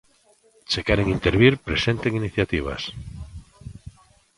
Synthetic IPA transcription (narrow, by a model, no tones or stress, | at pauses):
t͡ʃekeɾeŋint̪eɾβiɾpɾesẽnt̪eŋiniθjat̪iβ̞a̰s